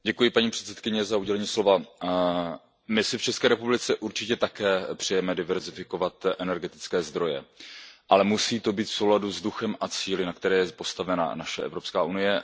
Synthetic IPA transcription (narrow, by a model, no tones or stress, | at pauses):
ɟɛkujɪpaɲiːpr̥ɛt̪sɛ̥t̪̚kɪɲɛzauɟɛlɛɲiːslo̞va | mɪsɪft͡ʃɛskɛːɾɛpublɪt͡sɛʔuɾt͡ʃɪcɛt̪akɛːpr̥ɛjɛmɛdɪvɛɾzɪfɪkovat̪ʔɛnɛɾɡɛt̪ɪ̥t͡skɛːzd̪ɾo̞jɛ̰ʔalɛmusiːt̪o̞biːt̪fso̞wladuzduxɛmʔat͡siːlɪnakt̪ɛɾɛːjɛpo̞st̪avɛna̰naʃɛ̰ʔɛ̰vɾo̞pskaːʔunɪjɛ